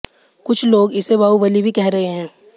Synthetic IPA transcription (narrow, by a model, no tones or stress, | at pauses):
kʊt͡ʃʰloːɡɪsebaːubɐlibʱikɛɦɾɐɦeɦɛ̃ː